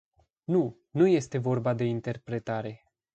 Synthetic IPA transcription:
nu | nuje̞st̪e̞vo̞rbad̪e̞int̪e̞rpɾe̞t̪aɾe̞

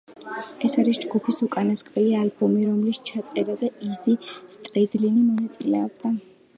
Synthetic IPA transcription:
ɛsaɾisd͡ʒɡupʰisukʼanɔskʼvɛlialbɔmiɾɔmlist͡ʃʰat̪sʼqʼɛbazɛizist̪ʼɾɛd̪linimɔnat̪sʼilɛ̰ɔb̚d̪a

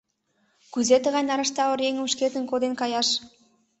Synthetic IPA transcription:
kyzet̪əʁɑnʲnɑɾɑʃt̪ɑə̆ɾjeŋə̆mʃket̪ə̆nkod̪enkɑjɑʃ

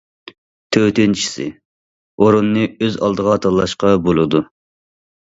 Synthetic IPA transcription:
t̪ʰøt̪ʰynt͡ʃʰi̥sɪ̰ | oɾunːɨøzɑ̰lˠd̪əʁɑt̪ʰɑlˠːɑʃqɑbolˠɨd̪u

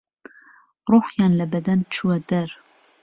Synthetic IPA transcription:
ɾoħjɑnlɛbɛd̪ɛnt͡ʃʰuɛd̪ɛɾ

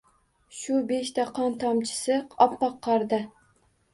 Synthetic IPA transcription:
ʃʊbeʃt̪aqʰɒnt̪ʰɒmt͡ʃʰɪ̥sɪɒpːɑqʰːɑɾd̪ɪ

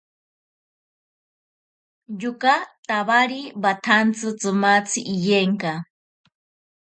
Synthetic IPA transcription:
jʊkat̪aβaɾibat̪ʰant͡sɨt͡sɨmat͡sʰiʔːjeŋka

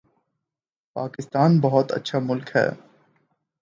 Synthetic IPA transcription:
paːkɪst̪aːnbɐɦɔt̪ɐ̰tːʃʰamʊlkɦɛ̰ː

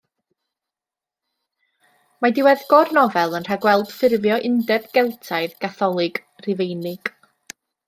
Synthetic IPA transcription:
madɪwɛðɡɔrnɔvɛlˠənr̥aɡwɛlˠd̥fɪrvjɔʔɪndɛbɡ̥ɛlˠtʰajðɡ̥aθɔlˠɪɡ̥ | rɪvejnɪɡ̥

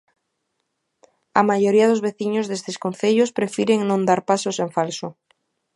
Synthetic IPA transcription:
ɐmajoɾiaðozβeθiɲozðest̪eskonθeʎospɾefiɾeŋnõnd̪aɾpasoseɱfalso

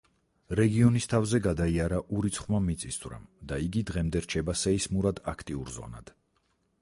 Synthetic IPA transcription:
ɾɛɡiɔnist̪ʰavzɛɡad̪aiaɾaʔuɾit̪sʰχmamːit̪sʼisd̪ʼvɾa̰md̪aiɡid̪ʁɛmd̪ɛɾt͡ʃʰɛbasɛismuɾad̪akʰt̪ʼiuɾzɔ̰na̰d̪̥

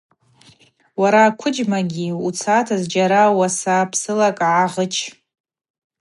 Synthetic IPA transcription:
waɾaːkʷʰʊd͡ʒmaɡʲiut͡sʰatʰazd͡ʒaɾawasapʰsɨlakʼʕaʁət͡ʃʰ

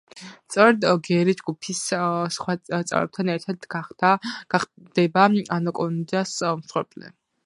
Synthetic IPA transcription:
st̪sʼɔɾɛd̪ɡɛɾid͡ʒɡupʰissχwat̪sʼɛ̰vɾɛ̰p̚t̪ʰanɛɾt̪ʰaɾt̪aaɡa | d̪̥ɛbaanɔkʼɔnd͡ʒasmsχwɛɾpʼlɛ̰

